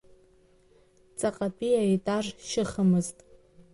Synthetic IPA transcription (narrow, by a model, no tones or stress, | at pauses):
t͡sʼaqʼapʼijaitʼarʃɪχəmɨztʼ